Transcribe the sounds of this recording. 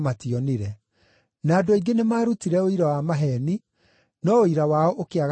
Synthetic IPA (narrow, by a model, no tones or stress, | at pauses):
matiɔniɾɛ | naːdoiɡenemaːɾutiɾɛoiɾawamaɦɛni | nɔoiɾawaɔʔokeaɣ